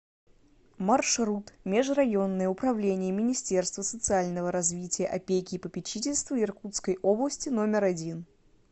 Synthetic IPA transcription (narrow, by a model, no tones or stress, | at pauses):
mɐrʂrut̪mʲeʐrɐjo̞nːəjəʊpɾɐvlʲenʲɪjəmʲɪnʲɪsʲtʲe̞rst̪vəsət̪sɨalʲnəvəɾɐzvʲitʲɪjəʔɐpʲekʲɪːpəpʲɪt͡ɕitʲɪlʲst̪vəɪrkut̪skəjʔo̞blˠəsʲtʲɪno̞mʲɪɾɐdʲin